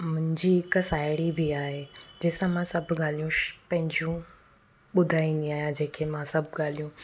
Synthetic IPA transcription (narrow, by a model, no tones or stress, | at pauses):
mʊ̃ɦɪ̃ɲd͡ʑiɪksaːɪɽibʱiaːɦed͡ʑɪːsãmãsɐbʱɠaːl̤ijũpɐ̃ɦɪ̃ɲd͡ʑjũ | ɓʊd̪ʱaːĩnd̪ĩaːjãd͡ʑẽːkʰemãsɐbʱɠaːl̤ijũ